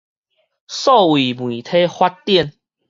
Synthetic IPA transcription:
sɔ˥˨wi˨˩mwĩ˨˩t̪ʰe˦hwa˦t̚t̪jɛ˥˨n

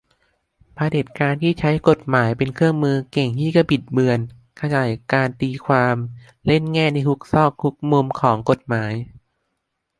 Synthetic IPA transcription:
pʰaː˧de˨˩t̪̚kaː˧nt̪ʰiː˥˩t͡ɕʰa˦˥jko˨˩t̪̚maː˩˦jpe˧nkʰɯ˥˩əŋmɯː˧ke˨˩ŋt̪ʰiː˥˩ka˥˩pi˨˩t̪̚bɯ˧ən | kʰa˧jaː˨˩jkaː˧nt̪iː˧kʰwaː˧m | le˥˩nŋɛː˥˩niː˥˧˩t̪ʰu˦˥k̚sɔː˥˩k̚tʰu˦˥k̚mu˧mkʰɔː˩˦ŋko˨˩t̪̚maː˩˦j

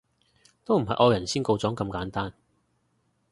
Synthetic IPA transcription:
t̪o˥wm̩˨˩ɦɐ˨jʔɔː˨˧jɐ˨˩nsiː˥nko˧wt͡sɔː˨˥ŋkɐ˧mkaː˨˥nt̪aː˥n

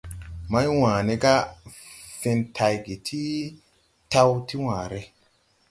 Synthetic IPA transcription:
ma˦jwãː˨ne˦ɡa˦ | fe˧ntʰa˨˧jɡe˨tʰi˦ | ta˦wti˦wãː˨ɾe˦

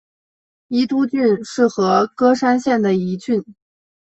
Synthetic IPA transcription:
i˥t̪u˥t͡ɕy˥˧nʂɻ̩˥˩xɤ˧˥kɤ˥ʂa˥nɕjɛ˥˩nd̪ə˩i˧˥t͡ɕy˥˩n

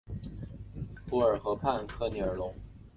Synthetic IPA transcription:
pu˧˥ə˞˨˩xɤ˧˥pʰa˥˩nkʰɤ˥˧ni˨˩ə˞˨˩lʊ˧˥ŋ

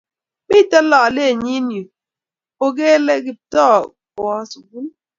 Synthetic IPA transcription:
mɪ˦˨tə˦lɔ˨le˦˨ɲi˦nju˨ | o˦ɡe˦le˦ɡi˦˨p̚tɔ˦˨ | ɔ˦su˨ɡu˦n

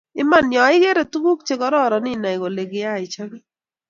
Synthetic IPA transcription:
ɪ˦ma˦˨njɔ˨ɪ˦ɡe˦ɾe˨tu˦ɡu˦k̚t͡ʃe˦kɔ˦ɾɔ˦˨ɾɔ˨nɪ˦na˨ɪ˨ɡo˨le˨ɡɪ˦a˦˨ɪ˨t͡ʃa˦ɡɛ˦

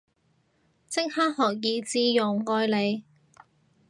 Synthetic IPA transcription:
t͡sɪ˥ŋ̚haː˥t̚hɔː˨k̚jiː˨˧t͡siː˧jʊ˨˩ŋːɔː˧jle˨˧j

